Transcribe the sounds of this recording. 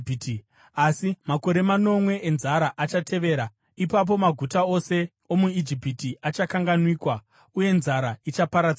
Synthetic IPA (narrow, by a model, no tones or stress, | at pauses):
t | asimako̞ɾe̞mano̞mwe̞ʔːnzaɾaʔat͡ʃatʰe̞ʋe̞ːɾa | ipap̬o̞maɡʱutao̞se̞ | o̞muid͡ʒipitiat͡ʃakaŋɡanwiːkwa | uje̞nzaɾait͡ʃapaɾad͡za